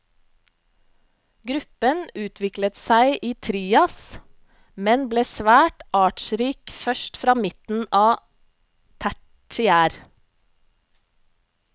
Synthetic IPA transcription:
ɡɾʉpənʉːt̪ʰʋɪklət̪sæɪʔiːt̪ʰɾiːɑs | mɛnbleːsʋæːʈʔɑːʈʃɾiːkfœʃtfɾɑːmɪt̪n̩ʔɑː | t̪ʰæ | ʈɪæːɾ

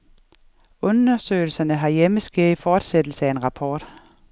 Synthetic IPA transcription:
ɔ̽nɐsø̰ːɪl̩sɐnəɦɑ̈jeməsɡ̥eðˠfɒːd̥sed̥l̩səæe̝nʁɑ̈pʰɒ̰ːd̥

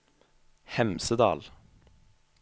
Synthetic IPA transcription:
hɛmsəd̪ɑ̰ːl

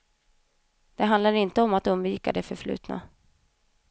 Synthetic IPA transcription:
d̪̥ɛɦand̪laɾɪnt̪əɔmat̪ɵmviːka̰d̪ɛfœɾflʉ̟̰ːt̪na̰

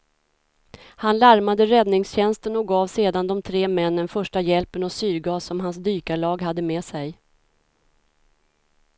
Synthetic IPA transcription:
hanlaɾmad̪əɾɛd̪nɪŋsɕɛnst̪ənɔɡɑːvseːd̪and̪ɔmt̪ʰɾeːmɛnːənfœʂʈajɛlpənɔsyːɾɡɑːsɔmɦans̬d̪yːkaɭɑːɡɦad̪ːəmeːsɛj

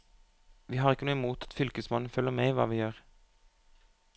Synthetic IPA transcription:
ʋiːhɑːʁɪkːənuːəmuːt̪ʰɑ̥t̪fʏlkəsmɑnn̩fœlːəmeɪʋɑ̰ːʋiːjøːʁ

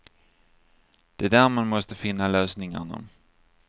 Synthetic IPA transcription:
d̪̥ɛd̪æːɾmanmɔst̪əfɪnːaløːsnɪŋa̰ɳa̰

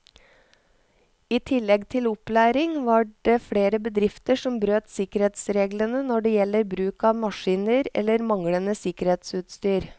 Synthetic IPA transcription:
iːt̪ʰɪlːɛɡt̪ʰɪlʊplæːɾɪŋʋɑɖeːfɽeːɾəbəd̪ɾɪft̪əʂɔmbɾøːt̪sɪkəɾheːt̪sɾeːɡlənənɔɖeːjɛlːəɾbɾʉːkɑːʋmɑʂiːnəɾɛ̰lːəɾmɑŋlənəsɪkəɾheːt̪sʉːt̪st̪yːɾ

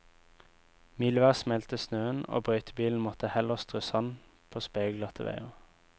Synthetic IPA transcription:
miːlʋæːʁsmɛlt̪əsnøːəno̰ːbʁœʏt̪ʰəbiːln̩mɔt̪əhɛləʁst̪ʁʉːsɑn | pʰoːspeːɡlɑt̪ʰə̰ʋḛɪə

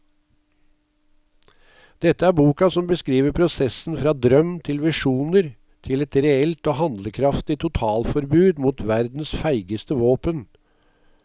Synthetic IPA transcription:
d̪̥ɛt̪ːəæːɾbuːkɑsɔmbəskɾiːʋəpʰɾʊsɛsn̩fɾɑːd̪ɾœmt̪ʰɪlʋɪʂuːnəɾ | t̪ʰɪlɛt̪ɾɛɛlt̪oːhɑnd̪ləkʰɾɑft̪ɪt̪ʰʊt̪ʰɑːlfɔɾbʉːd̪muːt̪ʰʋæɾd̪n̩sfæɪɡəst̪əʋoːpən

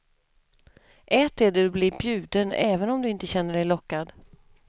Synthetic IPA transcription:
ʔɛt̪æɖɛd̪ɵbliːɾbjʉ̟ːd̪ənɛːvənɔmd̪ɵɪnt̪əɕɛnːəɖɛjlɔkːad̪

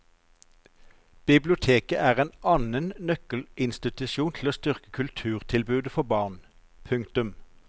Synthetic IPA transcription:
b̥ɪblʊt̪ʰeːkəʔæːʁeːnʔɑnənnœkəlʔɪnst̪ɪt̪ʉʃuːnt̪ʰl̩oːst̪ʏʁkə̥kʰʉlt̪ʰʉːʁt̪ʰɪlbʉːd̪əfɔʁbɑːʁn | pʰʉŋkt̪ʉm

